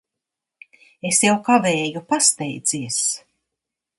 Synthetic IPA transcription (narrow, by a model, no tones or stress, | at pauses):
esjawkavɛːjupast̪ɛjd̪z̥iɛs